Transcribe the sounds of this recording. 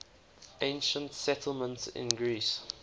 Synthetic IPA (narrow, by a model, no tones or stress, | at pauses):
ʔẽɪ̃nʃə̃ntsɛtʰl̩ˠmə̃ntsɪ̰̃nɡɹis